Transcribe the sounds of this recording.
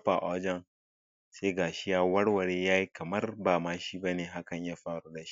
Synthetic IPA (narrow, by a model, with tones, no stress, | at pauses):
ɸa˨ʔa˦d͡ʒɐ˦˨ŋ | seː˦ɡaː˨ʃɪ˦jaː˦wɐ˦ɽwɐ˨ɽeː˦jaː˦ji˦kɐ˨mɐ˦rbaː˨maː˦ʃiː˦ba˦neː˨ɦa˦kɐ˨ɲjaː˦ɸaː˦ɽuː˦da˨ʃi̥˦